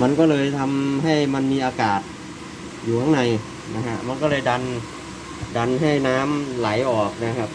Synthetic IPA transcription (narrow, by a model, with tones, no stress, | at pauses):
ma˧nkɔː˥˩lɤː˧jt̪ʰa˧mɦa˥˩jma˧nmiː˧ʔaː˧kaː˨˩t̪̚ | juː˨˩t̪ʰa˥˩ŋna˨˩j | na˦˧˥kʰa˦˧˥ma˧nkɔː˥˩lɤː˧jda˧n | da˧nɦa˥˩jnaː˦˥mla˩˦jʔɔː˨˩k̚na˦˥kʰa˦˥p̚